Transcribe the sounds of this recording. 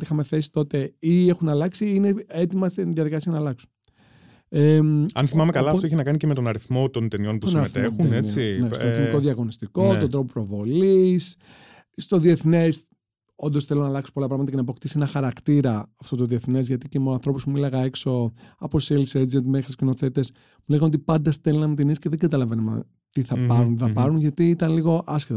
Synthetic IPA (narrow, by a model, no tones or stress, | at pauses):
t̪ixɐme̞θe̞si̥t̪o̞t̪e̞ie̞xunɐlɐksiineet̪imɐst̪iðjɐðikɐsiɐnɐlɐksu̥n | emɐ̰nθimɐmekɐlɐːft̪oeçinɐkɐnicemet̪o̞nɐɾiθmo̞t̪o̞nt̪enio̞npusosɐɾeθt̪exuneinestoeθniko̞ðiɐɣo̞nist̪iko̞t̪od̪ɾo̞popɾo̞vo̞lis | st̪o̞ðieθnes | ond̪osθelonɐːlɐkso̥po̞lɐpɾɐɣmɐt̪ɐcenɐpo̞kt̪isenɐxɐɾɐkt̪iɾɐːft̪ot̪oðie̞θnezʝɐt̪icemeoɐnθɾo̞puspumuilɐɣɐekso̞ɐposseliseɾd͡ʒent̪mexɾiskino̞θe̞t̪e̞s | muleɣɐno̞t̪̬ipɐnd̪ɐst̪elinɐmut̪̬inisceðeŋɡɐt̪ɐlɐvenɐmɐ̰ | t̪iθɐpɐɾunθɐpɐɾunʝɐt̪iit̪ɐnliɣo̞ʔɐsçet̪ɐ